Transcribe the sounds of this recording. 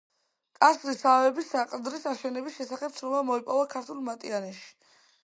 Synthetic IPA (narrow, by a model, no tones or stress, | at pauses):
kʼasɾisavɛbisaqʼd̪ɾisaʃɛnɛbisʃɛsaχɛp̚tsʰɾɔmamɔipʼɔvakʰaɾt̪ʰulˠmat̪ʼianɛʃi̥